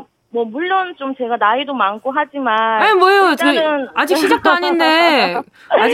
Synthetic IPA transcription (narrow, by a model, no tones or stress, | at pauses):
mwʌmuɭːont͡ɕomt͡ɕe̞ɡanaidomankʰoɦad͡ʑimanamwʌjot͡ɕead͡ʑikkɕʰid͡ʑak̚t͈oɦaɲinde̞ | ad͡ʑ